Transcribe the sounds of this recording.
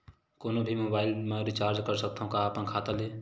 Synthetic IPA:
koːnobʱimoːbaːɪlmẽɾit͡ʃaːɾd͡ʒkəɾsək̚t̪aːɦũkaapənkʰaːt̪ale

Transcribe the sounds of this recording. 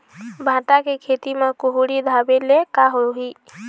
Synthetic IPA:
bʱaːʈ̪akekʰeːt̪imẽkʊɦuɽid̪ʱaːbelekaɦoɦiː

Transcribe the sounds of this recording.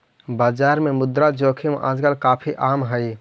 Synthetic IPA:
baːd͡ʒaːɾmẽmʊd̪ɾad͡ʒoːkʰimʔa̰ːd͡ʒkaːlkaːpʰiʔaːmɦəi

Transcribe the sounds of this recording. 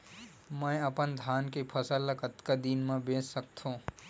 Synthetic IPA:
mə̃jəpənd̪ʱaːnkepʰəsələkət̪kad̪iːnmãbẽːssək̚t̪ʰõ

